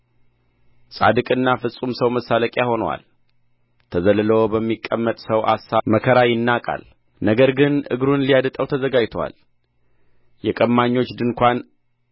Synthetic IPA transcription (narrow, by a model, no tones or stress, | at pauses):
sʼa̰d̪ɨkʼɨnːafɨsʼumsəwməsaləkʼjaho̞nwa̰l | t̪ʰəzəlɨləwbəmːikʼːəmːət̪ʼsəwʔa̰saməkʰəɾajɪnːakʼa̰l | nəɡəɾɡɨnʔɨ̰ɡɾunlijad̪ɨt̪ʼəwt̪ʰəzəɡad͡ʒt̪ʰowa̰l | jɛkʼəmːaɲːo̞t͡ʃːd̪ɨnkʷan